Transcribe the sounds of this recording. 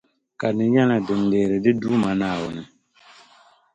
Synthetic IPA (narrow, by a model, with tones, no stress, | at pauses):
ka˨nɨ˨ɲɛ˦la˨bɨ˨n˨deː˨ɾɪ˨dɪ˦duː˦ma˨naː˦˨wʊ˨nɨ˨